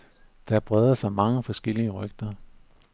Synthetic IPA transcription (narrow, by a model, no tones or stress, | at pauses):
d̥ɑ̈b̥ʁɛð̞ˠɐsɑ̈ɪmɑ̈ŋəfɒ̽sɡ̥el̰iəʁœɡ̥̚d̥ɐ